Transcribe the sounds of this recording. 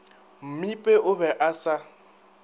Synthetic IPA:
m̩mipʼɛʔʊbɛʔasa

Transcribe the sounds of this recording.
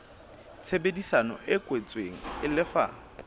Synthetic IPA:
t͡sʰebedisanɔ̰ʔɪkʼwet͡sʼweŋ̩ɪlɪfa̰

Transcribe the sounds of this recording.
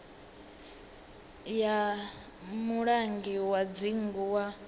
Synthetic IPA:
ja | muɺaŋɡiwad͡ziŋɡuwa

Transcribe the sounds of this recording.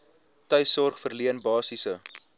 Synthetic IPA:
tœjsɔrχfərliənbɑːsisə

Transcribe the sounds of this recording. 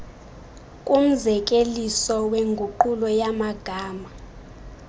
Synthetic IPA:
kʼum̩zɛk̬ʼelisɔweŋɡʱuǃulɔjamaɡ̥ʱaːma

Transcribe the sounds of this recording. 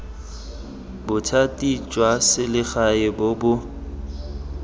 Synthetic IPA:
bʊtʰatʼit͡ʃʼwasɪlɪχaɪbobʊ

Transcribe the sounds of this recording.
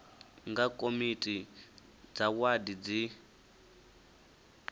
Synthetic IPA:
ŋɡakʼomitʼi | d͡zawadid͡zi

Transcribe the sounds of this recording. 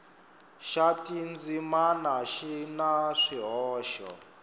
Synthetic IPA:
ʃatʼind͡zimanaʃinaʂiɦɔːʃɔ̰

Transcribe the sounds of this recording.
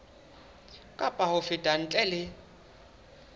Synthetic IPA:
kʼapʼahʊfɪtʼan̩t͡ɬʼɛlɪ

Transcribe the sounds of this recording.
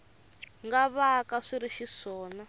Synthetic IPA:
ŋɡaβakaʂiɾiʃiʂɔːna

